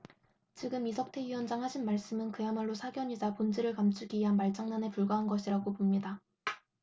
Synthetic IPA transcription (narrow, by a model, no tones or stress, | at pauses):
t͡ɕiɡɯmisʰʌk̚tʰe̞ɥiʌnd͡ʑaŋɦaɕʰinmaɭs͈ɯmɯnkɯjamaɭːosʰaɡjʌɲid͡ʑapond͡ʑiɾɯɭkamt͡ɕʰuɡiɥiɦanmaɭt͡ɕ͈aŋnanepuɭɡaɦanɡʌɕʰiɾaɡopomɲida